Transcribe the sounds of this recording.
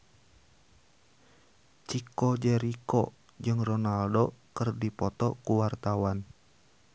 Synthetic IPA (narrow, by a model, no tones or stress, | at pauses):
t͡ʃikɔd͡ʒɛɾikɔ | d͡ʒɨŋrɔnaldokɨrdipɔt̪ɔkuwart̪awan